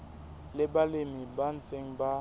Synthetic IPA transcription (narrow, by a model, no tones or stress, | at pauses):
lɪbalemɪban̩t͡sʼeŋ̩ba